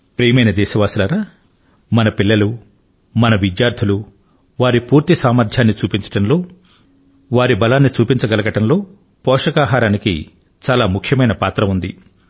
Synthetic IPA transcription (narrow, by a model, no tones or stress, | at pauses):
pɾeːmɐjnɐd̪ɛːʃɐʋaːsulaɾaː | mɐnɐpilːɐlu | mɐnɐʋid͡ʒjaːɾd̪ʰulu | ʋaːɾipuːɾt̪isaːmɐɾd̪ʰʱjaːnːit͡ʃuːpiɲt͡ʃɐ̥ʈɐnlo̞ː | ʋaːɾibɐlaːnːit͡ʃuːpiɲt͡ʃɐɡɐlɐɡɐʈɐnlo̞ː | pɔːʂɐkaːɦaːɾaːnikḭ | t͡ʃaːlaːmukʰjɐmɐjnɐpaːt̪ɾɐund̪i